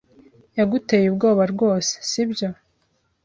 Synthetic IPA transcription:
jaɡute̞ːjubɡo̞ːβaɾɡo̞ːse̥sibjo̞

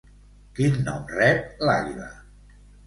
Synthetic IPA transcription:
kinːɔmrɛp̚laʎβə̰

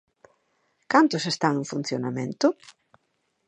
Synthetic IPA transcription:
kant̪ʊsest̪aŋẽŋfun̟θjonamẽnt̪ʊ

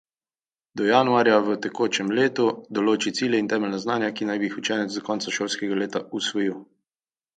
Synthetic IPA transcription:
d̪ɔjaːnuaːɾjaʋət̪ɛkoːt͡ʃɛmleːt̪ud̪ɔloːt͡ʃit̪siːlʲjɛint̪ɛːmɛlnaznaːnjakinajbixut͡ʃɛːnɛt̪zd̪ɔkɔːnt̪saʃoːlskɛɡaleːt̪ausʋɔjiw

